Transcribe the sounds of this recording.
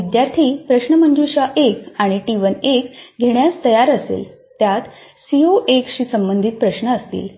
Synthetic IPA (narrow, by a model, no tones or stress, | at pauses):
ʋid̪jaɾt̪ʰiːpɾəɕnəmənd͡ʑuɕaʔekaɽ̃iʈiʋənekɡʱeɳjast̪əjaɾəsḛl | t̪jat̪sioʔekɕiːsəmbənd̪ʱit̪̚pɾəɕɳəːst̪ḭːl